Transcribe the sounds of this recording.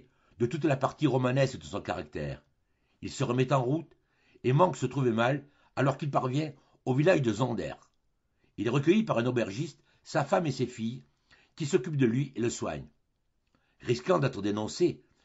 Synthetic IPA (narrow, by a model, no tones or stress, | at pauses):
d̪ət̪ut̪lapaʁt̪iʁɔmanɛskd̪əsɔ̃ka̰ʁa̰kt̪ɛ̰ːʁ | ilsəʁəmɛt̪ɑ̃ʁut̪ | emɑ̃ksət̪χuvemal | alɔʁkilpaʁvjɛ̃ | ovilaʒd̪əzɑ̃d̪ɛ̰ʁ | ilɛʁəkəjipaʁɛ̃nɔbɛʁʒist̪ | safamesefij | kʲisɔkʲyp̚d̪əlɥiʔeləswa̰ɲ | ʁiskɑ̃d̪ɛt̪ʁəd̪enɔ̃se